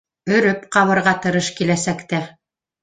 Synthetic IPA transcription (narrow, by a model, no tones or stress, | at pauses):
ɵ̆ɾɵpqɑβɤ̆ɾʁɑt̪ɤ̆ɾɤʃkilæsækt̪æ